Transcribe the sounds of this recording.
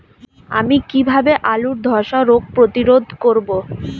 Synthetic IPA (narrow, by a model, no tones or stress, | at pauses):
a̰mikibʱabeʔaluɾd̪ʱɔɾʃaɾoɡ̚pɾot̪iɾod̪ʱkoɾbo